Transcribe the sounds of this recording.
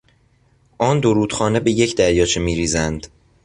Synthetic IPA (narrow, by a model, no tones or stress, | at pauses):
ʔɒːnd̪oɾuːd̪̥xɒːne̞be̞je̞cʰd̪æɾjɒːt͡ʃʰemiːɾiːzænd̪̥